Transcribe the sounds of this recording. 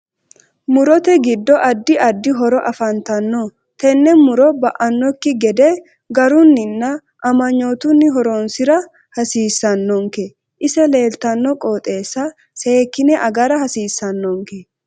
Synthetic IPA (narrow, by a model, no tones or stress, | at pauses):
mʊɾɔt̪ɛɡɪd̪ːɔʔɐd̪ːɪʔɐd̪ːɪɦɔɾɔʔɐfɐnt̪ɐnːɔ | t̪ɛnːɛmʊɾɔbɐʔɐnːɔkːɪɡɛd̪ɛ | ɡɐɾʊnːɪnːɐ | ʔɐmɐɲːo̞ːt̪ʊnːɪɦɔɾoːnsɪɾɐ | hɐsiːsːɐnːɔŋkɛ | ʔɪsɛle̞ːlt̪ɐnːɔkʼoːt̪ʼe̞ːsːɐ | se̞ːkːɪnɛʔɐɡɐɾɐhɐsiːsːɐnːɔŋkɛ